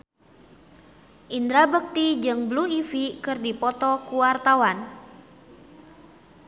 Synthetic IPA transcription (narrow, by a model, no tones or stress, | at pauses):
ʔind̪ɾabək̚t̪id͡ʒɨŋbluifikɨrdipɔt̪ɔkuwart̪awan